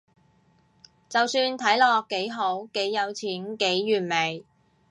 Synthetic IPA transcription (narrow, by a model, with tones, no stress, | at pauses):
t͡sɐ˨wsyː˧nt̪ʰɐ˨˥jlɔː˨kːe˨˥jɦo˨˥wke˨˥jːɐ˨˧wt͡sʰiː˨˥nke˨˥jːyː˨˩nme˨˩j